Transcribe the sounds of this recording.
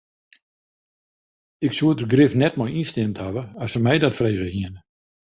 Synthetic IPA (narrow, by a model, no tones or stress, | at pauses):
ɪksuətərɡrɪfnɛtmɔjinstɪmthavəɔsəmɛjdɔtfreːɣəhiənə